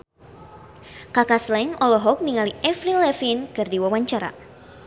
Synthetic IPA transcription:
kakaslɛŋɔlɔɦɔk̚niŋaliʔɛfɾilɛfinkardiwawaɲt͡ʃaɾa̰

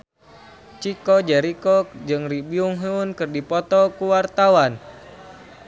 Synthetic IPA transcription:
t͡ʃikɔd͡ʒɛɾikɔd͡ʒɨŋribiuŋɦuunkɨrdipɔt̪ɔkuwart̪awan

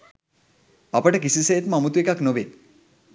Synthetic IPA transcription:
apəʈəkisisejet̪mamut̪uekaknoʋe

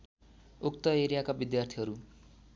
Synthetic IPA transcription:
ukt̪ʌeɾijakabid̪jart̪ʰiɦʌɾu

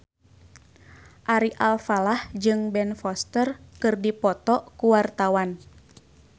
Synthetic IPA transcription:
ʔaɾiʔalfalahd͡ʒɨŋbɛnfɔst̪ərkɨrdipɔt̪ɔkuwart̪awan

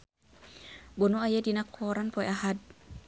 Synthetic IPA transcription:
bɔnuajadinakʰɔɾanpɔɛʔahad̪̚

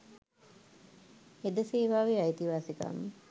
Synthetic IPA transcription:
ed̪əseːʋaːʋiait̪iʋaːsika̰mːə

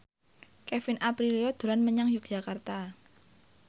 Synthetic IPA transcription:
kɛfɪnʔapɾiliɔd̪̥o̤lanməɲaŋjʊk̚d̥ʒ̥a̤kart̪a

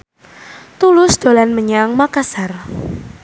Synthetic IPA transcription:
t̪ulʊsd̪̥o̤lanməɲaŋmakasar

